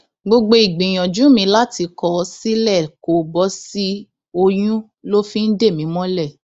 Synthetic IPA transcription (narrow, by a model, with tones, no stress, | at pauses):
ɡ͡bo˧ɡ͡bo˧i˨ɡ͡bĩ˨j̃ɔ̃˨d͡ʒũ˨˦mĩ˧˦la˦ti˨˧kɔ˨˦si˦lɛ˦˨ko˨bɔ˨˦si˦ | o˧j̃ũ˦ | lo˦fĩ˦n̩˦de˦˨mĩ˨˦mɔ̃˦lɛ˦˨